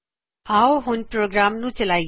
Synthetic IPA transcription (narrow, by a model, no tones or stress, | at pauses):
awɦʊnpɾoːɡɾaːmnũt͡ʃɐlaːi